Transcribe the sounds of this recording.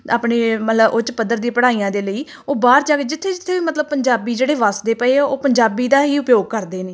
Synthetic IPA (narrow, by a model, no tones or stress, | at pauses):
a̰ːpɳeːmət̪ləbʔʊt͡ʃpəd̪ːəɾd̪ĩːpəɽaːiːãːd̪eːləiː | oːbaːɾd͡ʒaːɡeːd͡ʒɪt̪ʰːeːd͡ʒɪt̪ʰːeːʋiːmət̪ləb̚pəɲd͡ʒaːbiːd͡ʒeːɽeːʋaːsd̪eːpəeːoːpəɲd͡ʒaːbiːd̪aːɦiːʊpjoːɡ̚kəɾd̪eːneː